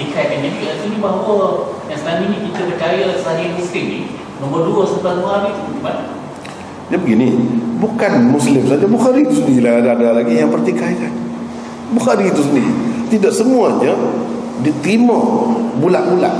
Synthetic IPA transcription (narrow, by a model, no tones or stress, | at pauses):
t̪ikakanɲakiʔat̪unibaɦawəjaŋsənaminĩkit̪əbət͡ʃajasaɾiamiskɪnḭ | nomərduəsət̪anoməɦaɾit̪uiban | d͡ʒabəɡinibukanmuslɪmsad͡ʒabuxaɾit̪usəndiladaadalaɡijaŋpərt̪ikaikan | buxaɾit̪us̬əndit̪idaʔsəmuaɲə | dit̪ɾimabulaʔbula̰ʔ